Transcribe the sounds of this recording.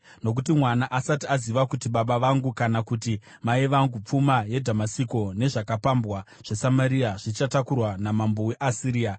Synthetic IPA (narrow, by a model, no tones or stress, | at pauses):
no̞k̬utimwanaʔasatiaziʋakutiɓaɓaʋaŋɡukanakuti | maiʋaŋɡup͡fumaje̞dʱamasiko̞ne̞ʐakapambwa | ʐ̥e̞samaɾiaʐit͡ʃatakurwanamamboweʔasiɾiːa